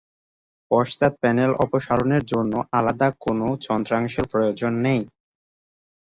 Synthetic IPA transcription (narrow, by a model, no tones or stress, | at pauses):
pɔʃt̪at̪̚pɛnelʔɔpoʃaɾoneɾd͡ʑonːoʔalad̪akonot͡ɕɔnd̪ɾaŋʃeɾpɾojod͡ʑonːej